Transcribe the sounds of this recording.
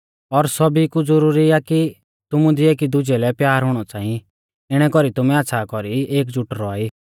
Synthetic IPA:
ɔɾsɔbikud͡zɔɾuːɾiaki | t̪ʊmũd̪ʱieːkid̪ʊd͡ʒɛlɛpjaːɾɦʊɽ̃ɔt͡saːĩ | ɪɽ̃ɛkɔɾit̪ʊmɛaːsʰakɔɾieːk̬d͡zʊʈɾɔaːiː

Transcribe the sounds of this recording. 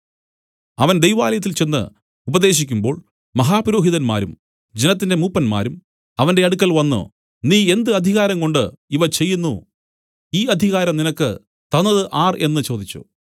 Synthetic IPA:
ɐʋɐnd̪ejʋaːlɐjɐt̪ːilt͡ɕe̞nːɨ̰ | ubɐd̪e̞ːɕ̬ikʲːumbo̞ːɭ | mɐɦaːpɾoːɦiðɐnma̰ːɾum | d͡ʑenɐt̪ːindemuːpːɐnma̰ːɾum | ɐʋɐnde̞ɐɽukːɐlʋɐnːṵ | niːe̞nd̪ɨɐd̪ʱiɣaːɾɐŋko̞ɳɖɨiʋɐt͡ɕe̞jːunːu | iːɐd̪ʱiɣaːɾɐmninɐkːɨ̰ | t̪ɐnːɐðɨʔaːre̞̰nːɨt͡ɕo̞ːd̪it͡ɕːṵ

